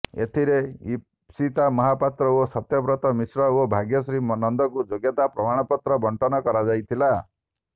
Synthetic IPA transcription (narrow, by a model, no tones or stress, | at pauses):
ḛt̪ʰiɾei | sit̪amɔɦapat̪ɾɔosɔt̪jɔbɾɔt̪ɔmisɾɔobʱaɡjɔsɾimnɔnd̪ɔkud͡ʒoɡjɔt̪apɾɔmaɽ̃ɔpɔt̪ɾɔbɔɳʈɔnɔkɔɾad͡ʒajt̪ʰila